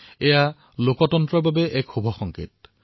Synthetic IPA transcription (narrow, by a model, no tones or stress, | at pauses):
ɛja | lokɔtɔntɹɔɹbabɛʔɛkxobʱɔxɔŋkḭt̚